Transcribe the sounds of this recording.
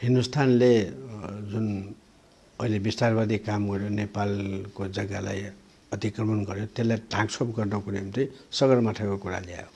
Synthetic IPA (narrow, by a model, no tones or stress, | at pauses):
hindust̪ʰanle | d͡zun | ʌilebist̪arbad̪ikamɡʌɾjonepalkod͡zʌɡala̰j | ʌt̪ikrʌmʌnɡʌɾjot̪elːajʈãksopɡʌrnokunemt̪ʌsʌɡʌrmaʈʰakokuɾa̰lija̰jo